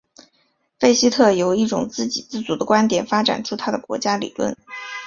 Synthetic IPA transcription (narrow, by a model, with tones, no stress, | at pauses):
fe˥ɪɕi˥t̪ʰɤ˥˩jo˨˩ʊi˥˩ʈ͡ʂʊ̰˨˩ŋt͡sɹ̩˥˩t͡ɕi˨˩t͡sɹ̩˥˩t͡su˧˥d̪ə˧kwa˥nt̪jɛ˨˩nfa˥ʈ͡ʂa̰˨˩nʈ͡ʂʰu˥t̪ʰa˥d̪ə˨kwɔ̰˧˥t͡ɕja˥lḭ˨˩lwə̰˥˩n